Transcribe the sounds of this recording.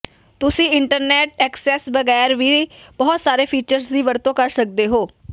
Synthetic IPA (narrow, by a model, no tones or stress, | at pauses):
t̪ʊsĩːɪɳʈəɾnɛːʈɛːksɛːsbəɡɛːɾʋiːb̥ɔːt̪saːɾeːpʰiːt͡ʃəɾsd̪iːʋəɾt̪õːkəɾsək̚d̪eːɦoː